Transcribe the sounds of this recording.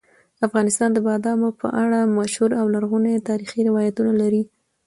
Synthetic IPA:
afɣɑnɪst̪ɑnd̪əbɑd̪ɑmopʰə̰ʔaɽamaʃhuɾawlaɾɣunet̪ɑɾixiɾɪwɑjat̪unalaɾi

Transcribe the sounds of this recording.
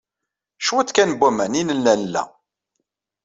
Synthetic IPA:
ʃwæt͡s̪ːkænbʷːæmæninəlːænəlːæ̰

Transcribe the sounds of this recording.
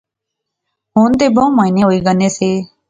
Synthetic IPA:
ɦũːnt̪eːbʱõːmaːineːɦoːiːɡəneːseː

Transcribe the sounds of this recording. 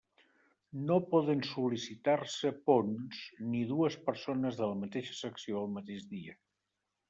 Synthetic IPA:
nopɔðənsulisit̪aɾsəponzniðuəspəɾsonəzðələmət̪eʃə̥səksioəlˠmət̪eʒðiə

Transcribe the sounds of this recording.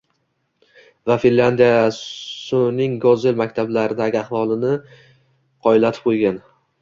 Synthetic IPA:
vafinland̪ijasʊnɪŋɡɒzelmakʲt̪ʰablaɾɪd̪aɡʲɪaχvɒlˠɪnɪ | qʰɒɪlat̪ʰɪ̥p̚qʰojɡʲan

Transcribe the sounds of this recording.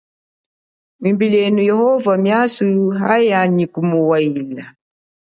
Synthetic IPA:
mimbilɛnujɛhɔvamjasuɦajaɲikumuwaila

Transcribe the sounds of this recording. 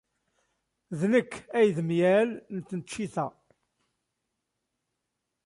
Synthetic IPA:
ðnəkːæjðmjælnət̪ːnət͡ʃːiθæ

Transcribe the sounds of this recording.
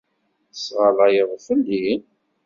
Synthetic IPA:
sʁəlɑjəðˤfəlːin

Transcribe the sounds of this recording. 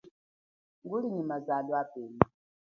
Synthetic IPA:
ŋɡuliɲimazadwapɛmi

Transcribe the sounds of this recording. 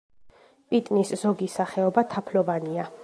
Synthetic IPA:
pʼit̪ʼniszɔɡisaχɛɔbat̪ʰapʰlɔvania

